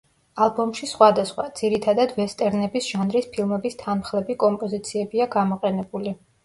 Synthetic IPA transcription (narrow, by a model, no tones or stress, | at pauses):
alˠbɔmʃisχwad̪asχwa̰d̪z̥iɾit̪ʰad̪ad̪vɛst̪ʼɛɾnɛbisʒ̥anɾispʰilˠmɛbist̪ʰanmχlˠɛbikʼɔmpʼɔzit̪sʰiɛbiaɡamɔqʼɛnɛbuli